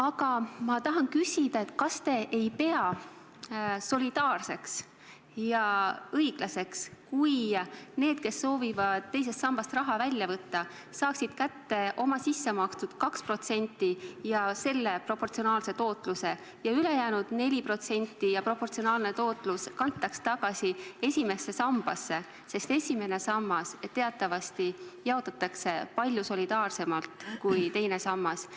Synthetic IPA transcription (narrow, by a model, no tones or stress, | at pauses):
ɑɡɑmɑt̪ɑɦɑnkysʲid̪̥ɑe̞t̪ːkɑst̪e̞ʔejpe̞ɑ | so̞lid̪̥ɑːrse̞ks | jɑɤjɡ̥lɑse̞kskujne̞ːd̪̥̚ke̞sːo̞ːvivɑd̪̥̚t̪ːe̞js̬e̞st̪sɑmb̥ɑst̪rɑɦɑvælʲjɑvɤt̪ːɑ | sɑːksid̪̥kæt̪ːe̞ʔo̞mɑsisːemɑkst̪ud̪̥kɑkspro̞t̪se̞nʲt̪ˑːijɑse̞lːe̞pro̞po̞rt̪sio̞nɑːlse̞t̪o̞ːt̪ˑluse̞ | jɑyle̞jæːnud̪̥ne̞lʲipro̞t̪se̞nʲt̪ːˑijɑpro̞po̞rt̪sio̞nɑːlne̞t̪o̞ːt̪ˑluskɑnt̪ˑːɑkst̪ɑɡ̥ɑsiesʲime̞sːe̞sɑmb̥ɑsːe̞ | se̞st̪esʲime̞ne̞sɑmːɑset̪ːe̞ɑt̪ːˑɑvɑst̪ijeot̪ːˑɑt̪ːˑɑkse̞pɑlʲjuso̞lʲid̪̥ɑːrse̞mɑlt̪ˑkujt̪e̞jne̞sɑmːɑs